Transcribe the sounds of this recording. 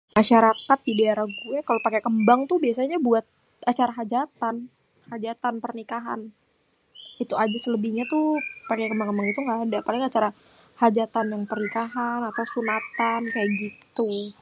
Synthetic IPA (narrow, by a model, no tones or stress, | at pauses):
maʃaɾakat̪̚didaaɾahɡuakalopakekəmbaŋt̪ʊhbiasaɲabuat̪̚ | at͡ʃaɾaɦad͡ʒat̪an | had͡ʒat̪anpərnikaɦa̰n | it̪uad͡ʒasələbihɲat̪upakekəmbaŋkəmbaŋit̪uŋɡaːdapalɪŋat͡ʃaɾa | had͡ʒat̪anjaŋpərnikaɦanat̪awsunat̪ankajaʔɡit̪u